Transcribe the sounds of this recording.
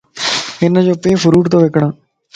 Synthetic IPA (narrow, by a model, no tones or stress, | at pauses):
enãːd͡ʒoːpeːfʰʊɾuːʈt̪õːʋeːkɳãː